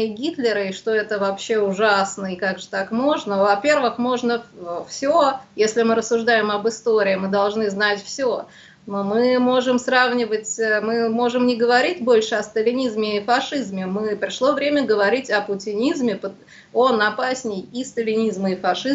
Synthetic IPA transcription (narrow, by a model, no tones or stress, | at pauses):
ɨɡʲit̪lʲɪɾəɪʂt̪o̞ɛt̪əvɐpɕːe̞ʊʐasnəɪkaɡʐɨt̪akmo̞ʐnəvɐpʲe̞rvɨxmo̞ʐnəfsʲojesʲlʲɪmɨɾəsːʊʐd̪ajɪmɐbɨst̪oɾʲɪːmɨd̪ɐlˠʐnɨznatʲfsʲo | nomɨmo̞ʐɨmsravnʲɪvətʲmɨmo̞ʐɨmnʲɪɡəvɐɾʲit̚ʲbo̞lʲʂɨɐst̪əlʲɪnʲizmʲɪːfɐʂɨzmʲɪmɨpɾʲɪʂlˠo̞vɾʲemʲəɡəvɐɾʲitʲɐpʊtʲɪnʲizmʲɪpə | onɐpasʲnʲɪjist̪əlʲɪnʲizməɪfɐʂɨ